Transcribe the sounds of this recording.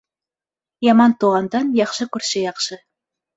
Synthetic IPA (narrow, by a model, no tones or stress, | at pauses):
jɑmɑnt̪uʁɑnd̪ɑnjɑχʃɤkʉɾʃɘjɑqʃɤ